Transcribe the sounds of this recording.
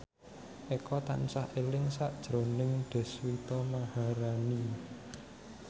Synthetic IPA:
ʔekɔt̪a̰nsahelɪŋsaʔd̥ʒ̥ɾo̤nɪŋɖ̪̥ɛ̤swit̪ɔmahaɾani

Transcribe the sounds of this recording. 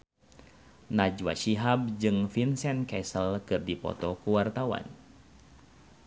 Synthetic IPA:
nad͡ʒwa̰ʃiɦab̚d͡ʒɨŋfinsɛnkɛsəlkɨrdipɔ̰t̪ɔkuwart̪awa̰n

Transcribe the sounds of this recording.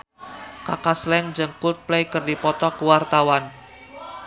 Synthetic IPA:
kakaslɛŋd͡ʒəŋkut̪̚plejkərdipɔt̪ɔkuwart̪awan

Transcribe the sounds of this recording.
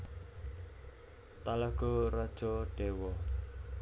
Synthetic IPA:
t̪alaɡ̥ɔrad̥ʒ̥ɔɖ̥ewɔ

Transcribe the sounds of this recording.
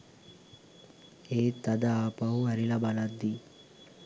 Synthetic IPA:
eːt̪ːad̪aaːpaɦuæɾilabalad̪ːi

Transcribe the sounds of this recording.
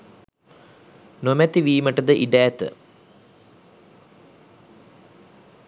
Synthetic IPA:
nomɛt̪iʋiːməʈəd̪əʔiɖæːt̪ə̰

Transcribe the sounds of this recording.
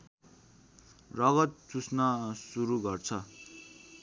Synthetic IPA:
rʌɡʌt̪̚t͡susnʌsuɾuɡʌrt͡sʰʌ

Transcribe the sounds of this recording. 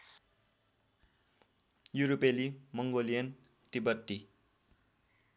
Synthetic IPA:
juɾopelimʌŋɡolijʌn | t̪ibʌt̪ːi

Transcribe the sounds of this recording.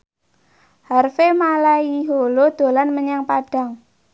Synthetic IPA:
harfemalaiɦolod̪̥o̤lanməɲaŋpaɖ̥a̤ŋ

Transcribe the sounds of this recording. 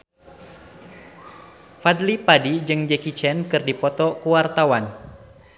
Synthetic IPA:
fadlipadid͡ʒɨŋd͡ʒɛkit͡ʃɛnkɨrdipɔt̪ɔkuwart̪awan

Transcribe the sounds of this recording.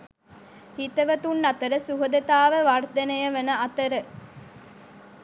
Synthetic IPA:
hit̪əʋɐt̪unːɐt̪əɾəsuɦud̪et̪aːʋəʋɐrd̪enejɐʋenəɐt̪əɾə

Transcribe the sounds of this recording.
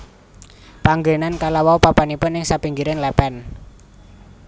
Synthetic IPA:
paŋɡenankalawawpapanipʊnːɪŋsapiŋɡiɾɛnlɛpɛn

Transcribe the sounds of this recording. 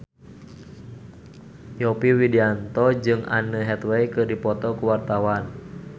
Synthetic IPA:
jɔpiwidiant̪ɔd͡ʒɨŋa̰nəɦɛt̪wɛjkɨrdipɔt̪ɔkuwart̪awan

